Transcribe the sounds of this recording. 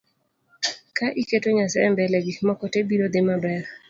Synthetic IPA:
kaʔiketoɲasɛɛmbɛlɛɡikmɔkotebiɾod̪ɪmabɾɛk

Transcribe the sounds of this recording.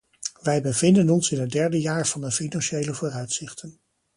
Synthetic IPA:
ʋɛjbəvɪndənɔnsɪnɦət̚dɛɹdəjaːɹv̥ɑndəfinɑnʃejləvʊːrœɥtsɪχtən

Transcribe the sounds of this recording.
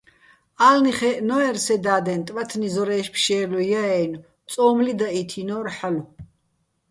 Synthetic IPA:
aːlniχɛʔnɔɛɾsɛd̪aːd̪ɛnt̪ʼvat̪ʰnizɔɾɛːʃpʰʃɛːlɔjaɛn | t͡s̪ʼɔːmlid̪ait̪ʰinɔːrħalu

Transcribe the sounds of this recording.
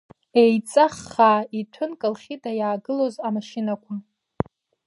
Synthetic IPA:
e̞jt͡sʼaχaːitʰʊnkʼɨlχʲitʼajaːɡɨlo̞zamaʃinakʷʰʼʊn

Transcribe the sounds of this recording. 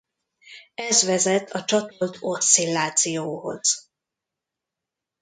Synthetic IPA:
ɛzvɛzɛt̪ʰɒt͡ʃɒt̪olt̪ʰosilːaːt̪sijoːho̞̰z̥

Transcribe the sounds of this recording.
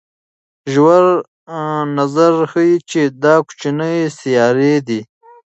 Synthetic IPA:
ʒwaɾ | nazaɾxəjit͡ʃed̪ɑːkʰu̥t͡ʃinəsijɑːɾed̪i

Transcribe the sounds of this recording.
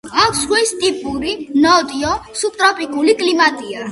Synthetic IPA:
akʰsχwist̪ʼipʼuɾinɔd̪iɔsup̚t̪ʼɾɔpʼikʼulikʼlimat̪ʼia

